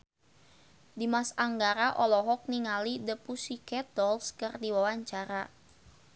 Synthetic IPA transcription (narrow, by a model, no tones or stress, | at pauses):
dimasaŋɡaɾaʔɔlɔɦɔk̚niŋalidəpusikɛt̪̚ɔlskɨrdiwawaɲt͡ʃaɾa